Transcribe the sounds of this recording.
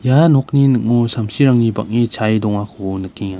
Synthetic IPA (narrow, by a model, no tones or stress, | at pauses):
janɔk̚ninɯk̚ŋɔsamsiɾaŋniba̰k̚nit͡ʃʰajdɔŋakʰːnɯkʰːiŋa